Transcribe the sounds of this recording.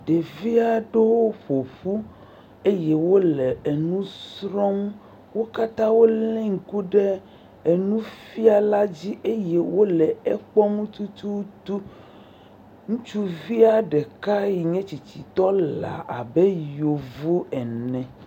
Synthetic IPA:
ɖe˨vi˦a˨ɖe˦wo˦ɸo˨ɸu˦ | e˦je˦wo˦lɛ˨e˨nũ˦sɾɔ˦m˦ | wo˦ka˦t̪ã˦wo˦lɛ̃˦ŋ̩˨ku˦ɖe˦ | e˨nũ˦fi˦a˨la˦d͡ʑi˦ʔe˦je˦wo˦lɛ˨ɛ˦k͡pɔ˦mũ˦t̪u˦t̪u˦t̪u˦ | ŋũ˦t͡ʃu˦vi˦a˨ɖe˨ka˦ji˨ɲɛ̃˦t͡ɕi˨t͡ɕi˨t̪ɔ˦la̰˨ʔa˨be˦jo˨vo˦ɛ˨nɛ̃˨

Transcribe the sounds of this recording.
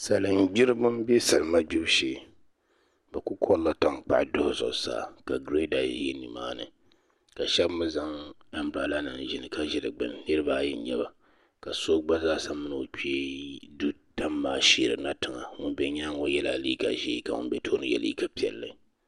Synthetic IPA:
sa˨lɨ˨n̩˦ɡ͡bɪ˦ɾɨ˦bɨ˦m˦be˦sa˨lɨ˨ma˦ɡ͡bi˦bʃeː˦ | ba˨ku˦kʰɔ˦lla˦ta˦ŋk͡pa̰˨ʔdʊ˦hʊ˨zʊ̰˨sa̰ː˦˨ka˨ɡɾe˦da˨˦jɛ˦nɨ˨ma̰ː˦nɨ̰˨ | ka˨ʃɛ˦bmɨ˦za˦ŋa˦m˦bɾa˨la˦nɨ˨n˨ʒɪ˦nɨ˨ka˦ʒɪ˦dɨ˨ɡ͡bɨ̰˨nnɨ˦ɾɨ˦ba˦ji˨˦ɲɛ˦ba˨ | ka˨so˦ɡ͡ba˦zaː˦sa˦mɨ˦n˨o˨k͡pe˦du˦ta˦mːaː˦˨ʃe˨ɾɨ̰˨na˦tɨ˨ŋa̰˨ŋʊ˦nbɛ˨ɲa˦ŋo˦jɛ˦la˨liː˦ka̰˨ʒḛ˦ka˨ŋʊ̰˦nbɛ˦tʰoː˦nɨ˦jɛ̰˨lʔḭ˦ka˦pi˨ɛ̰˨lːɨ˨˦˨

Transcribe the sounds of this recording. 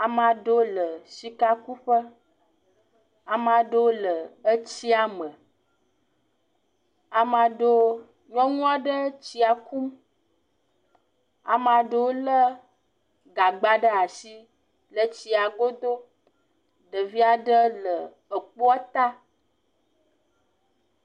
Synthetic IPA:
a˨m˦ã˨ɖo˦lə˨ʃi˦ka˦ku˦ɸə˦ | a˨mã˨ɖə˦o˦lə˨ə˦t͡ɕi˦a˨mə˨ | a˨m˨ã˨ɖo˦ | ɲɔ̃˦ŋũ˦a˦ɖə˦t͡ɕi˨˦a˨ku˦m | a̰˨mã˨ɖə˨wo˦lə˦ | ɡa˨ɡ͡ba˨ɖə˦a˨si˦ | lə˨t͡ɕi˨a˨ɡo˦d̪o˦ | ɖə˨vi˦a˨ɖə˦lə˨ | ə˨k͡po˦a˦t̪a˦

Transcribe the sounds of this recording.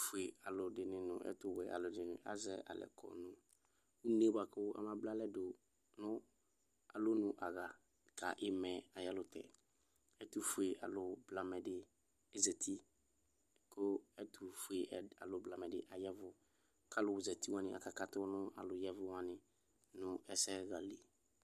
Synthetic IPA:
fʊ˨e˨a˨lʊ˨dɪ˨nɪ̃˨nʊ̰̃˨ʔɛ̰˦tʊ˨wɛ˨ʔa̰˨lʊ˨dɪ˨nʊ̰̃˨ʔa̰˦zɛ˦a̰˨lɛ̰˨kʰɔ̰˨nʊ̃˨ | u˦ne˦ba˨kʊ˦a̰˨mã˦bla˦lɛ˦do˨ | nʊ̃˦ | a˨lʊ˦nʊ̃˨ʔa˨ɣa˨ | ka̰˨ʔɪ˦mɛ̃˨a˨jɛ˦lʊ˨tɛ̰˨ | ɛ˦tu˨fʊ˨e˨ʔa̰˨lʊ˨bla˨mɛ˨dɪ˨ | ɛ˨zɛ˨tʰi˦ | kʊ˦ɛ˦tu˨fu˨e˨a˨lʊ˨bla˨mɛ̃˨dɪ˨ʔa˨jɛ˦vʊ˦ | kʰa˦lʊ˨wʊ˨zɛ˨ti˦wã˦nɪ̃˨ʔa̰˨ka˨ka˨tʊ˦nʊ̃˦a̰˨lʊ˨jɛ˦vʊ˦wã˦nɪ˨ | nʊ̃˦ɛ˦sɛ˦ɣa˨le˨

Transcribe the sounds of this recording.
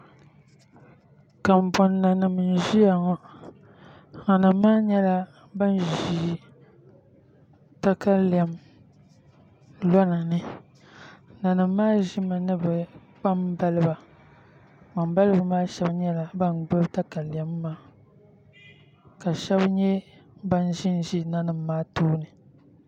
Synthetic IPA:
ka˨m˨bɔ˨nːa˨nɨ˨m˨n˨ʒi˦ja˨ŋɔ˦ | na˨nɨ˨mː˦aː˦ɲɛ˦la˦ | ba˦nʒiː˨ | ta˦ka˦li˨a˨m | lɔ˦na˨nɨ˨ | na˨nɨ˨mː˦aː˦ʒi˦ma˨nɨ˦bɨ˨ | k͡pa˦mba˦lɨ˦ba˨ | ma˨mba˦lɨ˦bɨ˨maː˦ʃɛ˦bɲɛ˦la˨ba˦nɡ͡bʊ˦bta˦ka˨li˨a˨˦mː˦aː˦ | ka˨ʃɛ˦bɲɛ˦ba˦n˦ʒi˦n˦ʒi˦na˦nɨ˨mːaː˦tuː˦nɨ˨

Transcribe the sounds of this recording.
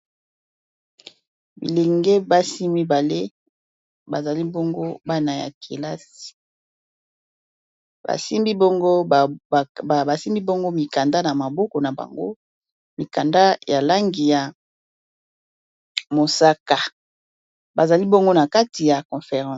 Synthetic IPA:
bḭ˨le˨ŋɡe˦ba˦si˦mi˦ba˨le˦ | ba˨za˨li˦bɔ˦ŋɡo˦ba˦na˨ja̰˨kʰḛ˨la˦si̥˨ | ba̰˨si˦mbi˦bo˦ŋɡo˦˨ | ba˨si˦mbi˦bo˦ŋɡo˦mi˨ka˨nda˦na˨ma˨bɔ˦ko˨na˨ba̰˨ŋɡo̰˦ | mi˨ka˨nda˦ja˨la˦ŋɡi˨ja˨ | mo˨sa˦ka˨ | ba˨za˨li˦bɔ˦ŋɡo˦na˨ka˦ti˨ja˨kɔ̃˨fe˨ʁɑ̃˦

